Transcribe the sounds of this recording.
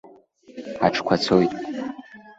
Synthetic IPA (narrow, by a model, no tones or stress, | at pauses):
aʈ͡ʂʰkʷʰat͡sʰojtʼ